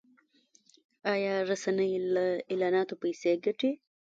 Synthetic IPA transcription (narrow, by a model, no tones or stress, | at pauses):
ɑjɑɾasanəjlaelɑːnɑt̪opajseɡaʈi